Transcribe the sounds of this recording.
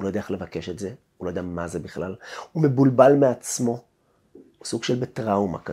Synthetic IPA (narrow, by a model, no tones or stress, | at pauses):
ulojdaele̞vake̞ʃetze̞ | ulojd̪amazebiχlalumebulbalmeat͡smo̞ | suɡʃelbetʁawma̰ka